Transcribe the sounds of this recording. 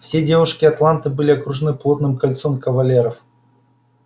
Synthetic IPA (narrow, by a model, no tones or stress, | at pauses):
fsʲe̞dʲe̞vʊʂkʲɪɐt̪lˠant̪ɨbɨlʲɪɐkɾʊʐɨnɨplˠo̞t̪nɨmkɐlʲt̪so̞mkəvɐlʲe̞ɾəf